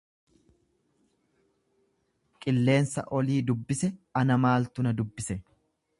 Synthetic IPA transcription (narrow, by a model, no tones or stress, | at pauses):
kʼɪlːe̞ːnsɐ̰ʔɔliːd̪ʊbːɪsɛɐnɐmaːlt̪ʊnɐd̪ʊbːɪsɛ